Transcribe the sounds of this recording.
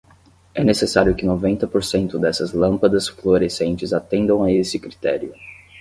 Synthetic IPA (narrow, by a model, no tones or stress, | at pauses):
ɛnesesaɾjʊkɪnovẽnt̪ɐpoɾsẽnt̪ʊd̪ɛsɐzlɐ̃mpɐd̪ɐsfloɾesẽnt͡ʃɪzat̪ẽnd̪ɐ̃w̃aesɪkɾit̪ɛɾjʊ